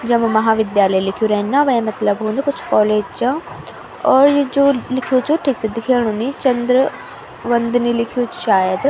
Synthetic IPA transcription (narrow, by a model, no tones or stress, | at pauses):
d͡ʒəməmɐɦaːʋɪd̪jaːləjlɪkʰjuːɾɛːnːãːʋɛẽmɐt̪ləbɦõːnd̪akʊt͡ʃʰkɔːleːd͡ʒt͡ʃãː | ɔːɾd͡ʒoːlɪkʰijoːt͡ʃoːʈʰiːksed̪ɪkʰeːɳ̃ũːniːt͡ʃənd̪ɾə | ʋənd̪niːlɪkʰijoːt͡ʃʃaːjəd̪